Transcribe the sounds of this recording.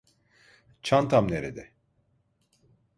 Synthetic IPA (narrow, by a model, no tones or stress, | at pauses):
t͡ʃʰant̪ʰamneɾed̪ɛ